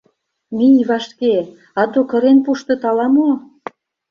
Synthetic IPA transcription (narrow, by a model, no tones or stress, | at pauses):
mijβɑʃke | ɑt̪okə̆ɾenpuʃt̪ɤ̆t̪ɑlɑmo